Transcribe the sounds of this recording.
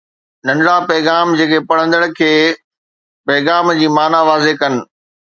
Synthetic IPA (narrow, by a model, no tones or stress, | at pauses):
nɐ̃nɽapɛːɣaːmd͡ʑeːkʰepɐɽ̤ə̃nd̪əɽ̃kʰeː | pɛːɣaːmd͡ʑiːmaːnaʋaːzekɐnɪ̆